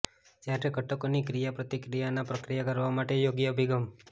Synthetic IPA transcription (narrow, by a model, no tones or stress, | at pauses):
d͡ʒjaʈeɡʱəʈəkonikɾijapɾət̪ikɾijanapɾəkɾijakəɾʋamaʈejoɡjəəbʱiɡəm